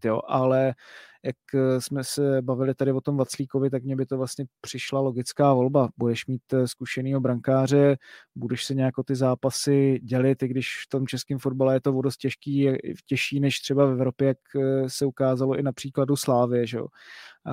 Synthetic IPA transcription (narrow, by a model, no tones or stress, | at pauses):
jo̰ʔalɛjaksmɛsɛbavɪlɪt̪adɪvot̪o̞mvat͡sliːkovɪt̪akmɲɛbɪt̪ovlast̪ɲɛpr̝̥ɪʃlalo̞ɡɪt͡skaːvo̞lbabudɛʃmiːt̪skuʃɛniːɦo̞bɾaŋkaːr̝ɛbudɛʃsɛɲɛjakʔot̪ɪzaːpasɪɟɛlɪt̪ɪɡdɪʃft̪o̞mt͡ʃɛskɪmfo̞d̚balɛjɛt̪ovodost̪cɛʃkiːja̰cɛʃiːnɛʃt̪r̝̥ɛbafɛvɾo̞pjɛjaksɛukaːzalo̞ʔɪnapr̥iːkladuslaːvɪjɛʒɛo̰